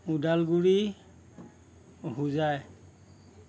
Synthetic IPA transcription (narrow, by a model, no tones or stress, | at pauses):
udalɡuɹi | ɦuzaj